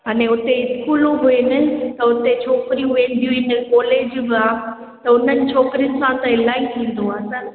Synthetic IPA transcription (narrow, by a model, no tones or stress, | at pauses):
ɦaːnẽʊt̪eɪskuːloɦʊenɪt̪ɐʊt̪et͡ɕʰoːkɪɾiũɦʊẽːnd̪iuinɪkɔːleːd͡ʑbɪaː | t̪ɐʊn̤ənɪ̆t͡ɕʰoːkɪɾijənɪ̆sãt̪ɐ̃ɦɪl̤aːit̪ʰĩːn̆d̪oaːsən